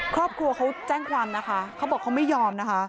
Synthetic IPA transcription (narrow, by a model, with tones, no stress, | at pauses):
kʰɾɔː˥˩p̚kʰɾu˧ɐkʰa˦˥wt͡ɕɛː˥˩ŋkʰwaː˧mna˦˥kʰa˦˥kʰa˦˥bɔː˨˩kʰːa˦˥wma˥˩jɔː˧mna˦˥kʰa˦˥